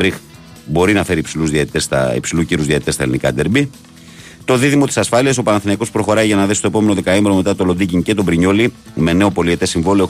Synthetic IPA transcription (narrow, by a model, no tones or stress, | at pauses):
ɾix | bo̞ɾinɐfe̞ɾiːpsiluzðiɐt̪it̪e̞st̪ɐ̰ḭpsiluciɾuzðiɐt̪it̪est̪ɐḛlinikɐd̪eɾbi | t̪o̞ðiðimo̞t̪isɐsfɐliɐsopɐnɐθinɐiko̞spɾo̞xo̞ɾɐjʝɐnɐðesist̪oe̞po̞me̞noðe̞kɐemeɾo̞me̞t̪ɐt̪o̞lo̞d̪iciɲce̞t̪o̞bɾiɲoli | me̞ne̞o̞po̞lie̞t̪esiɱvo̞lio